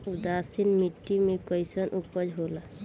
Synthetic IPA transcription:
ud̪asinmiʈːimekɔjsɔnʔupɔd͡ʒɦola

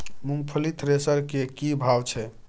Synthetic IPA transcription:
muŋɡpʰəlit̪ʰɾesəɾkekibʱawt͡ʃʰɛ

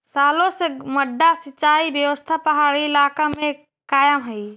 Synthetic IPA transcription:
saːlõseməɖːasɪt͡ʃːaːibjəʋəst̪ʰapəɦaːɽiɪlaːkamẽ | kaːjəmɦəi

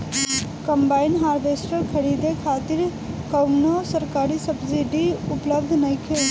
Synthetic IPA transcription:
kəmbaːɪnɦaːɾbʱeːsʈəɾkʰəɾid̪ekʰaːt̪iɾ | kəwmnosəɾkaːɾisəbsiɖiʊpləbd̪ʱnɐjkʰel

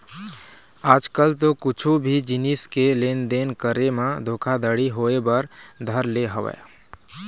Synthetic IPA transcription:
ad͡ʒkəlt̪okut͡ʃʰubʱid͡ʒiniskelend̪enkəɾemed̪ʱokʰad̪əɽiɦoebəɾd̪ʱəɾleɦəʋɛ̰

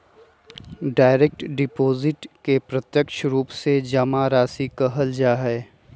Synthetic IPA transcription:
ɖaːɪɾeːk̚ʈɖɪpoːzɪʈkepɾɐt̪jəkʃɾuːpsed͡ʒɐmaɾaːsikəɦəld͡ʒaːɦɛː

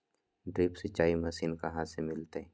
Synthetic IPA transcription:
ɖɾiːpset͡ʃaːimɐsinkɐɦãsemɪlt̪e

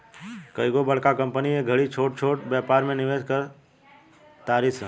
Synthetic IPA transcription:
kəjɡobəɽkakə̃mpənieɡʱəɽit͡ʃʰoːʈ̚t͡ʃʰoːʈbjɛːpaːɾmẽnɪʋeːd͡ʒkəɾ | t̪aːɾisə

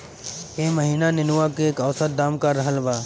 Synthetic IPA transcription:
eːməɦiːnanɪnuwakeːkəʋsət̪̚d̪aːmkaɾəɦəlbaː

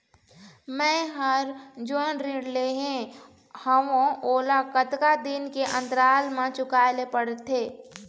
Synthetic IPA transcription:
mɛ̃ːɦəɾd͡ʒonɾiɽleɦɛ̃ | həʋõoːlakət̪kad̪ɪnkeʔə̃nt̪ɾaːlmãt͡ʃʊkaːlepəɽt̪ʰeː

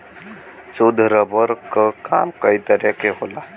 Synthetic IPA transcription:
t͡ʃod̪ʱɾəbəɾkəkaːmkəit̪əɾekeɦola

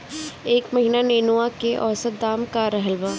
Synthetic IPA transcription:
eːkmɐɦinaneːnuakeʔɔːsət̪̚d̪aːmkaɾɐɦəlbaː

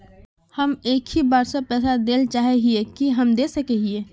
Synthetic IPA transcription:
həmeːkʰhibaːɾsapɛːsad̪eːlt͡ʃaːɦeɦiekiɦəmd̪eːsəkeɦieː

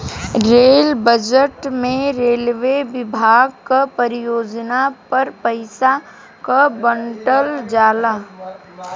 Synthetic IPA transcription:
ɾeːlbəd͡ʒəʈmẽɾeːlʋeʋɪbʱaːɡkapəɾɪjoːd͡ʒnapɐɾpəɪsa | kabəɳʈəld͡ʒaːlaː

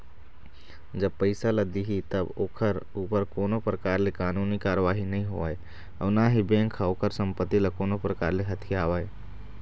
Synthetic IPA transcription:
d͡ʒəb̚pəɪsalɐd̪iɦit̪ɐboːkʰəɾuːpəɾkoːnopɾəkaːɾlekaːnuːnikaːɾəʋaːɦinɐɦĩɦo̰a̰ːe | ə̰naːɦibɛ̃ːŋkʰaoːkʰəɾsə̃mpət̪ːiləkoːnopɾəkaːɾleɦɐt̪ʰijaːʋaːe

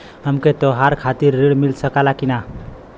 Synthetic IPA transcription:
ɦəmket̪oɦaɾkʰat̪iɾːiɽmilsəkalakina

